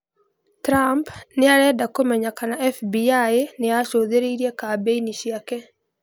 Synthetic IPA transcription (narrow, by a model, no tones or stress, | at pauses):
tɾampnɪaɾɛdakomɛɲakanaɛfbiaenɪaʃod̪eɾeiɾjekabeiniʃjake